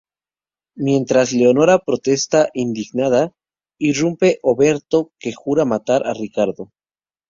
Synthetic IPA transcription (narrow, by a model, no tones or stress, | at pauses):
mje̞nt̪ɾazle̞o̞no̞ɾapɾo̞t̪e̞st̪aʔind̪iɣnaða | irumpe̞ʔoβe̞ɾt̪o̞ke̞xuɾamat̪aɾʔarikaɾðo